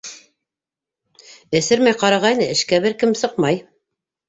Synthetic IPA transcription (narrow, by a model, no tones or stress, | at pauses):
ɘ̆sɘɾmæjqɑɾɑʁɑjnɘɘ̆ʃkæbɘɾkɘmsɤqmɑj